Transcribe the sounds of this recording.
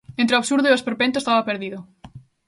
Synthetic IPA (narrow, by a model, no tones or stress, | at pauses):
ẽnt̪ɾeoaβsuɾðoioespeɾpẽnt̪̬oest̪aβɐpeɾðiðʊ